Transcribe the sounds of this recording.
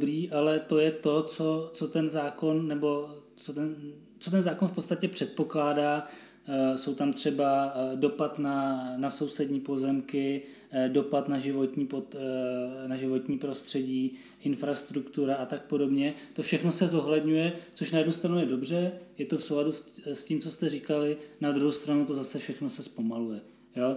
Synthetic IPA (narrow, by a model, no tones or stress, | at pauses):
bɾiːʔalɛt̪o̞jɛt̪o̞t͡so̞t͡so̞t̪ɛnzaːko̞nːɛbo̞ | t͡sot̪ɛn | t͡so̞t̪ɛnzaːkonfpot̪st̪acɛpr̝̥ɛt̪̚po̞klaːdaː | so̞wt̪amt̪r̝̥ɛbado̞pat̪nanaso̞wsɛdɲiːpo̞zɛmkɪ | do̞pat̪naʒɪvo̞t̪ɲiːpo | naʒɪvo̞t̪ɲiːpɾo̞st̪r̝̥ɛɟiː | ʔɪnfɾast̪ɾukt̪uɾaʔat̪ak̚po̞do̞bɲɛt̪o̞fʃɛxno̞sɛzo̞ɦlɛdɲujɛt͡so̞ʃnajɛdnust̪ɾanujɛdo̞br̝ɛjɛt̪o̞fsowladussciːmt͡so̞st̪ɛriːkalɪnad̪ɾuɦowst̪ɾanut̪o̞zasɛfʃɛxno̞sɛspo̞malujɛ | jo